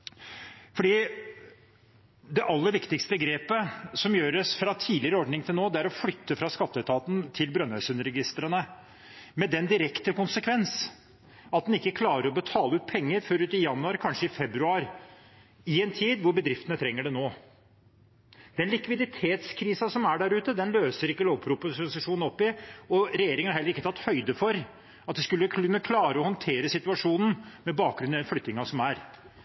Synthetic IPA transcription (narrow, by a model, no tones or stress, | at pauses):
fɔɖiː | d̪ɛʔɑlːəɾʋɪkt̪ɪkst̪əɡɾeːpəsɔmjøːɾəsfɾɑt̪ʰiːlɪəɾəɔɖnɪŋt̪ʰɪlnoːd̪ɛæɾɔflʏt̪ːəfɾɑskɑt̪ːəɛt̪ʰɑːt̪n̩t̪ʰɪlbɾœnhœʏsʉnəɾɛɡɪst̪ɾənə | mɛd̪ɛnd̪ɪɾɛkt̪əkʊnsəkʰʋɛns | ɑt̪̚d̪ɛnɪkːəkʰlɑːɾəɾɔbət̪ʰɑːləʉːt̪̚pʰɛŋːəɾfɔɾʉːt̪ɪjɑnːʉɑɾkʰɑnʂəɪfɛbɾʉɑːɾ | ɪɛnt̪ʰiːd̪ʋʊɾbəd̪ɾɪft̪ənət̪ʰɾɛŋːəɖɛnoː | d̪̥ɛnlɪkʋɪd̪ɪt̪ʰeːt̪skʰɾiːsɑsɔmæɖæɾʉːt̪əd̪ɛnløːsəɾɪkːəloːʋpʰɾupʊsʊsɪʂuːnn̩ɔpːɪɔɾɛjeːɾɪŋəɑɾhɛlːəɾɪkːət̪ʰɑt̪ːhœʏd̪əfɔɾ | ɑt̪̚d̪ɛskʉlːəkʰːnːəkʰlɑːɾəɔhɔnt̪ʰeːɾəsɪt̪ʉɑʂuːnən̩mɛbɑːk̚ɡɾʉnɪd̪ɛnflʏt̪ːnɪŋɑsɔmæɾ